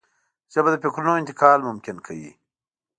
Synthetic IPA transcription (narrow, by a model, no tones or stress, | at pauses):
t͡ʃebad̪əpekɾunoɪnt̪ɪkɑːlmʊmkɪnkʰawḭ